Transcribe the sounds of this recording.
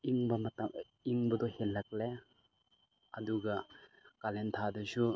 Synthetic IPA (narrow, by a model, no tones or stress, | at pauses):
iŋbɐmɐtam | iŋbɐdɔhelːak̚le | ɐduɡɐkalent̪ʰadɐsu